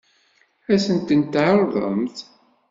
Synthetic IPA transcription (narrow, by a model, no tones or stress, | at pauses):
æsənt̪ənt̪ːʕoɾðˤə̰mθ